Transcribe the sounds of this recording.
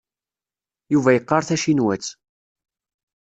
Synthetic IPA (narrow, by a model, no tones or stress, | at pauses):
juvæjəqːɑɾˤθæʃinwæt͡sː